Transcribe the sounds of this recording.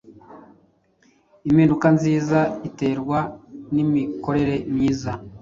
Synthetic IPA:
imhiːndukanziːzaite̞ːɾɡwanimiko̞ɾe̞ɾe̞mɲiːza

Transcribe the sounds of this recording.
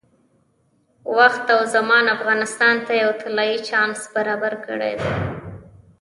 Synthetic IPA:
waxt̪awzamɑnafɣɑnɪst̪ɑnt̪ajawt̪ʰalɑjit͡ʃɑnsbaɾɑbaɾkə̰ɽḛd̪ḛ

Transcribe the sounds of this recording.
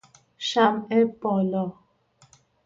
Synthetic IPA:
ʃamɛpɔlɔ

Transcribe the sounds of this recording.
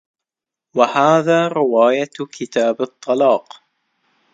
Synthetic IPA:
wahaːðaːɾɪwaːjakʰɪt̪aːbɨt̪ˤːɑlɑːq

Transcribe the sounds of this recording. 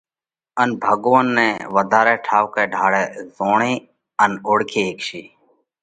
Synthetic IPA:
ənbʱəɡʋənːɛ̃ːʋəd̪ʱaːɾɛːʈʰaːʋkeːɖʱaːɽɛːzoːɳẽː | ənoːɽkʰeːeːkʃiː

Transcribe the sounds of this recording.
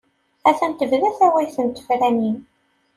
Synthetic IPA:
æθænt̪əvðæθæwæjθənt̪ə̥fɾænin

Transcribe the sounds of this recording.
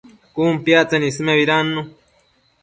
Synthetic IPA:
kuːmpjat͡senismeβiɾanːu

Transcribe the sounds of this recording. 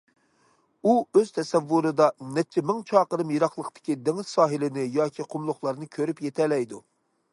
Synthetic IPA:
uøz̥t̪ʰɛsɛvːuɾɨd̪ɑnɛt͡ʃʰːɛmɪŋt͡ʃʰɑːqəɾɨmjeɾɑχlˠəqt̪ɪ̥kʲid̪eŋɪz̥sɑːɦɪlɪnɪjɑːkʲʰiqʰʊmlˠʊχlˠɑɾnɨkʲʰøɾypjet̪ʰɛlɛjd̪u

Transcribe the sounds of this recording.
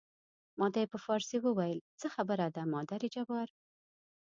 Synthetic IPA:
mɑd̪ajepəfɑɾsiwəwajəlt͡səxabəɾad̪amɑd̪aɾid͡ʒabɑɾ

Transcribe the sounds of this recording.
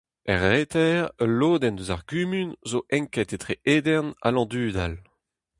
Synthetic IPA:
ɛʁːeːt̪ɛʁəloːd̪ɛnd̪øzaʁɡymynzoʔɛ̃ŋkɛt̪et̪ʁeʔeːd̪ɛʁna̰lɑ̃d̪yːd̪al

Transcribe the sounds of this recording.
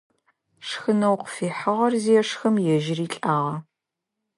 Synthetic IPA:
ʂxɨnɐwqəfiːħɐʁɐrziɛʂxɐmjɛʒɪriːɬʼaːʁɐ

